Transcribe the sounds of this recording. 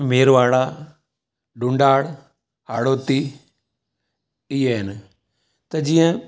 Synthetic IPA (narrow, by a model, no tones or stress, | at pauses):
meːɾʋaːɽa | ɖʊ̃ɳɖaːɽ | ɦaːɽoːt̪iː | ɪjeɦɪn | t̪ɐd͡ʒĩːə̃